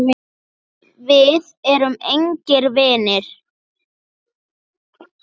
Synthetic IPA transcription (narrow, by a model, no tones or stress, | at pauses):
vɪðɛɾʏmejɲcɛɾvɛːnɪɾ̥